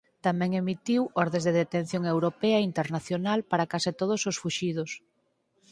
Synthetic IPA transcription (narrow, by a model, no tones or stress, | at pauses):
t̪amɛ̃ŋemit̪iwɔɾðẽzðeðet̪ẽn̟θjoŋewɾopɛɐint̪eɾnaθjonalpaɾakasit̪oð̞ososfuʃið̞ʊs